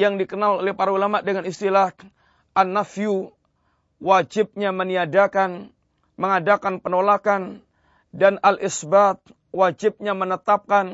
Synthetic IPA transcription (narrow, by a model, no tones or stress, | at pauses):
jaŋdikənalolɛhpaɾaulamaʔdəŋanist̪ilah | ʔanːafiu | wad͡ʒɪp̚ɲaməniadakan | məŋadakanpənolakan | danalʔɪsbat̪̚ | wad͡ʒɪp̚ɲamənət̪ap̚kan